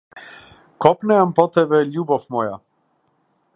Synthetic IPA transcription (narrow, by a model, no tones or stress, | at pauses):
kɔpnɛampɔt̪ɛbɛlʲubɔfmɔja